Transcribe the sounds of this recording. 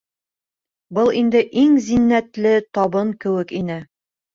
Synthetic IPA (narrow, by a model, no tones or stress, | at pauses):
bɤlˠind̪ɘʔiŋzinːæt̪lɘt̪ɒbɤŋkɘ̆wɘkinɘ